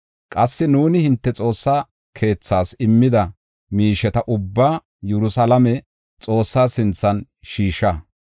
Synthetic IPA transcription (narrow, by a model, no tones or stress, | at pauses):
kʼɐsːɪnuːnɪhɪnt̪ːɛt͡sʼo̞ːsːaː | kʰe̞ːt͡sːaːsɪmːɪd̪ɐ | miːʃɛt̪ɐʔʊbːaː | jɛɾʊsɐlɐmɛ | t͡sʼo̞ːsːaːsɪnt͡sːɐn | ʃiːʃɐ